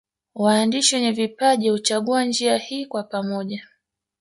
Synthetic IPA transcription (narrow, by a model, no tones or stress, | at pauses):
waːndiʃiwɛɲɛvipaʄihut͡ʃaɠuand͡ʒiahiːkwapamɔʄa